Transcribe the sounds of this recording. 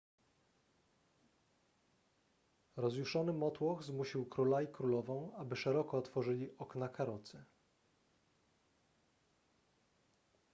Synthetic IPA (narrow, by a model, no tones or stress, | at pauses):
ɾɔzjuʂɔnɘmɔt̪wɔɣzmuɕiwkɾulajkɾulɔvɔ̃w̃abɘʂɛɾɔkɔːt̪fɔʐɘlʲiʔɔknakaɾɔt̪sɘ